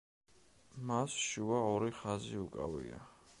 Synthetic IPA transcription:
masʃuaɔɾiχaziukʼa̰vḭa̰

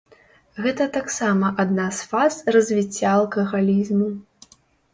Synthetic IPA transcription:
ɣɛt̪ɐt̪aksamɐʔad̪nasfazrɐzʲvʲit͡sʲːaːlˠkɐɣalʲizmu

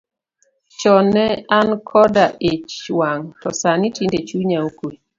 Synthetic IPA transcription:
t͡ʃɔnɛankʰɔdaʔet͡ʃwaŋtɔsanitindet͡ʃuɲaoke

